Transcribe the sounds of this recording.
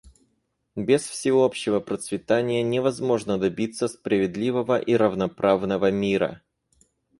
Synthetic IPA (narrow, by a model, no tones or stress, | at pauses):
bʲɪsfsʲɪopɕːɪvəpɾət̪svʲɪt̪anʲɪjənʲɪvɐzmo̞ʐnəd̪ɐbʲit̪sːəspɾəvʲɪd̪lʲivəvəʔiɾəvnɐpɾavnəvəmʲiɾə̰